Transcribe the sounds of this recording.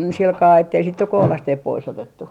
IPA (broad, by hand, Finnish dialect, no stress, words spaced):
silkɑː etːei sit nyk kohlɑsteːp pois otetːu